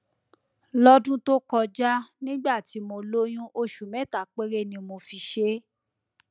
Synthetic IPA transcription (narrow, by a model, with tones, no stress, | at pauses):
lɔ˦dũ˦to˦kɔ˧d͡ʒa˦nĩ˦ɡ͡ba˦˨ti˨˧˦mo˧lo˦j̃ũ˦ʔo˧ʃu˨mɛ̃˨˦˨ta˨k͡pe˦ɾe˦˨nĩ˧mo˧fi˧ʃe˦